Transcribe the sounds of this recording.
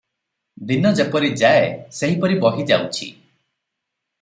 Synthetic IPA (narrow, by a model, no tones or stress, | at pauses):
d̪inɔd͡ʒepɔɾid͡ʒaeseɦipɔɾibɔɦid͡ʒawt͡ʃʰḭ